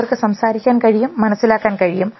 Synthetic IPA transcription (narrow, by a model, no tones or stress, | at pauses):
ɐrkɨsɐmsaːɾikʲːaːnkɐɻijumːɐnɐsːilaːkːaːnkɐɻijum